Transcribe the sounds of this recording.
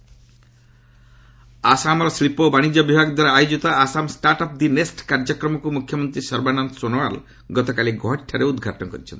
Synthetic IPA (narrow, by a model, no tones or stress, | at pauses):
asamɔɾslipobaɽ̃id͡ʒɔbibʱaɡd̪waɾaajod͡ʑit̪ɔasamsʈaɾʈɔp̚d̪inesʈkaɾd͡ʒɔkɾɔmɔkumukʰjɔmɔnt̪ɾisʌɾbanansonɔal | ɡɔt̪ɔkaliɡɔɦeʈʰːaɾeud̪ɡʱaʈɔnɔkɔɾit͡ʃʰḛnt̪i̥